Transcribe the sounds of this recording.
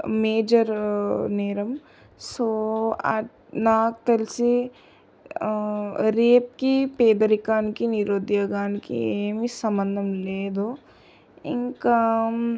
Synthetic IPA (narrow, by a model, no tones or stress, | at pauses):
meːd͡ʒəɾneːɾɐm | soa̰d͡ʒ | naːk̚t̪ɐlse | ɾeːp̚kipeːd̪ɐɾikaːnkiniɾoːd̪jɐɡaːnkiemisɐmənd̪ʱɐmleːd̪oː | ɪ̰ŋk